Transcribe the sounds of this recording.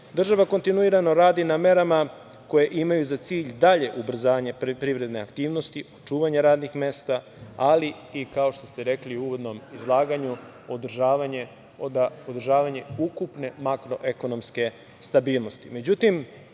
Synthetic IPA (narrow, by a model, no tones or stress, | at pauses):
d̪r̩ʒaʋako̞nt̪inuiɾano̞ɾaːd̪iname̞ɾama | ko̞je̞ʔimajuzat̪siːʎd̪aʎe̞ʔubr̩zaːʋaɲe̞pɾiʋɾe̞d̪neakt̪iːʋno̞st̪iʔot͡ʃuːʋaɲeɾaːd̪nixme̞ːst̪a | ali | ikao̞ʃt̪o̞st̪eɾe̞kliuuːʋo̞d̪no̞mizlˠaːɡaɲu | od̪rʒaːʋaɲe̞ | od̪aod̪rʒaːʋaɲe̞ukupne̞makɾo̞ʔe̞ko̞no̞mske̞ | st̪abiːlˠno̞st̪ime̞d͡ʑut̪im